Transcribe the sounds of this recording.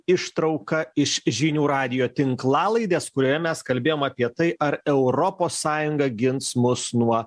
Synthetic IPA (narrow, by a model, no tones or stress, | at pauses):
ɪʃt̪ɾɐʊkɐɪʃʒʲinʲuːɾɑːd̪ʲɪjoːt̪ʲɪŋklˠɑːlˠɐɪd̪ʲeːskʊɾʲoːjɛmʲɛskɐlʲbʲeːjoːmɐpʲiɛt̪ɐɪʔɐɾɛʊɾɔpoːsːɑːjʊŋɡɐɡʲɪnsmʊsnuɔ